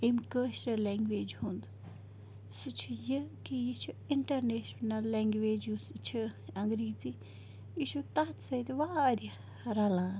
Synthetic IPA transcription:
emkəːʃɾɐleːŋɡʋeːd͡ʒɦund̪u | sɨt͡ʃʰujɨkijit͡ʃʰuiɳʈɐɾneːʃnɐlːeːŋɡʋeːd͡ʒusɨt͡ʃʰɨɐŋɡɾiːt͡si | jiʃut̪ɐt̪sɐjt̪iʋaːɾʲɐ | ɾɐlãː

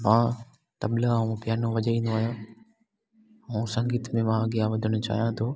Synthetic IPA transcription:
mãː | t̪ɐblaũpɪjaːnõʋɐʄaĩːn̆d̪oaːɦjãː | ũːsɐ̃ŋɡiːt̪ʰmẽmãɡijaʋɐd̪ʱəɽ̃ʊt͡ɕa̰ːɦijãt̪ʰoː

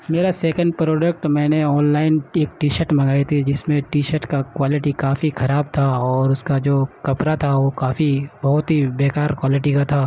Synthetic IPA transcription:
meːɾasɛːkə̃ɳɖ̚pɾoːɖək̚ʈmɛ̃ːneɔːnlaːɪneːk̚ʈiːʃəɾʈmɐ̃ɡaːit̪ʰid͡ʒɪsmẽʈiːʃəɾʈkakwaːlɪʈikaːfixʰɐɾaːb̚t̪ʰaɔːɾʊskad͡ʒoːkɐpɾat̪ʰaʋokaːfibɐɦʊt̪ɦibeːkaːɾkwaːlɪʈikat̪ʰaː

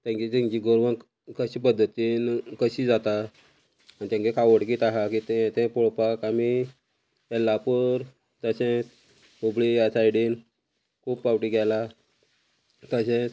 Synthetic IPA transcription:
t̪jãɲt͡ɕit̪ãɲt͡ɕiːɡoɾʋən | kəɕĩːpəd̪ʱːət̪inkəɕiːd͡zat̪a | anit̪jãɲkikʰaʋəɽkiːt̪aɦakit̪ɛ̃t̪ɛ̃poɭpakami | t̪ɛlːapəɾ | d͡z̪əɕẽt͡s | obɭiasajɽiːn | kʰuːppawʈiːɡɛla | t̪əɕɛ̃

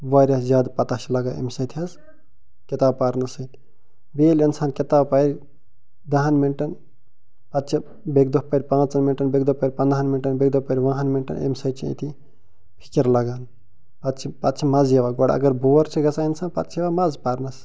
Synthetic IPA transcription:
ʋaːɾʲɐszjaːd̪pɐt̪aʃilɐɡaːḛmsɐt̪ʲʰɐs | kit̪aːbpaɾnɐsɐt̪ʰ | beːlɐnsaːnkʲit̪aːbpɐɾʲ | d̪ɐɦɐnminʈɐn | pɐt̪t͡ʃʰi | beɡd̪opɐɾʲpãːt͡sɐnminʈɐnbeɡ̚d̪opɐɾʲpɐnd̪aɦanminʈɐnbeɡ̚d̪opɐɾʲiʋãːɦɐnminʈɐ̰nḛmsɐjt͡ʃʰiḛt̪ʰi | pʰi̥kiɾlɐɡaːn | pɐt̪t͡ʃʰipɐt̪̚t͡ʃʰimɐzjeʋaɡoɽɐ̰ɡɐɾboːɾt͡ʃʰiɡɐsaːjɐnsaːnpɐt̪t͡ʃʰjeʋamɐzpaːɾnɐs

